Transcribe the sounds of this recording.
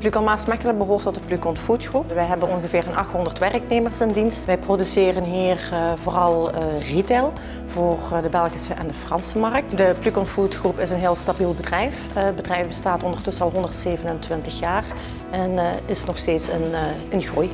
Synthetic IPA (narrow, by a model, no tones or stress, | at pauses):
plykɔnmaːsmɛkələk̚bəɦoːrtɔtdəplykɔntfutxrupʋɛjɦɛbənɔnɣəvɪːrənɑ̰xtɦɔndərtʋɛrkneːmərsɪndinstʋɛjprodysɪːrənɦiːrvoːrɑlˠriteːlˠ | voːrdəbɛlˠɣisəʔɛ̰ndəfrɑnsəmɑrk̚tdəplykɔntfutxrupɪsənɦɪːlˠstabilˠbədrɛjf | əd̚bədrɛjfbəstaːtɔndərtɵsənɑlˠɦɔndərtseːvənəntʋɪntəxjaːr | ɛnɪsnɔxsteːtsənənɣruj